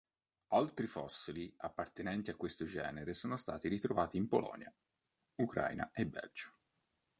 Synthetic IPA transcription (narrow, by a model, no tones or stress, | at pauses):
alt̪ɾifɔsːiliapːart̪enɛnt̪iakːwest̪od͡ʒɛ̰ːneɾesɔːnost̪a̰ːt̪iɾit̪ɾovaːt̪iːmpo̰lʔɔ̰nja̰ | ukɾʔa̰jna̰ʔebːɛ̰ld͡ʒo̥